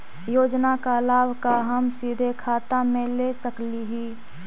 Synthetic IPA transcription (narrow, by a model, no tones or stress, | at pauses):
joːd͡ʒnakalaːbʱkaɦəmsiːd̪ʱekʰaːt̪amẽlesəkliɦiː